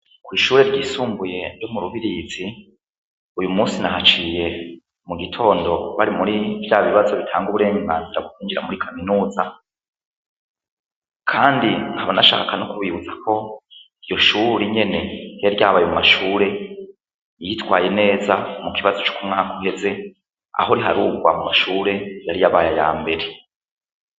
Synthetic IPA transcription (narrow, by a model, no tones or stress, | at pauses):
kwiːʃuːɾe̞ɾɟiːsuːmbuje̞jo̞muɾuβiɾizi | ujumuːsinahat͡ʃije̞ | muɡitʰo̞ːndo̞βaɾimuɾivjaːβiβazo̞βitʰaːŋɡuβuɾe̞ːŋŋɡa̰ːnziɾaɡukiːɲd͡ʒiɾa̰muɾikʰaminuːza | kʰaːndiŋhaβanaʃa̰ːkanokuβiβuzakʰo̞ | ijo̞ʃuːɾiɲe̞ne̞jaɾjaːβajemumaʃuːɾe̞ | jitwaːje̞ne̞ːzamukiβazo̞t͡ʃu̥kumŋaːkʰohe̞ze̞ | a̰ɦoɾiɦaɾuːɡwa̰mumaʃuːɾe̞jaɾijaβaːjaja̰ːmbe̞ɾe